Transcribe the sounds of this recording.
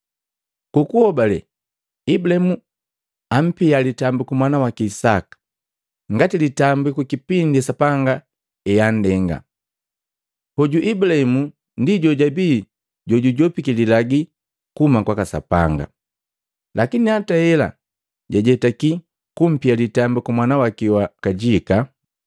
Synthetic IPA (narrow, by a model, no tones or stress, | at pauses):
kukuhɔbalɛ | ibulahimu | am̩pialitambukumwanawakiːsa̰kḁ | ŋɡatilitambukukipindiasapaŋɡa | ɛjan̩dɛŋɡa̰ | hɔɟuʔibulahɛmu | ndiɟɔɟabiː | ɟɔɟuɟɔpikililaɡi | kumakwakasa̰pa̰ŋɡa̰ | lakinihatahɛla̰ | ɟaɟɛtaki | kum̩pialitambukumwanawakiwakaɟika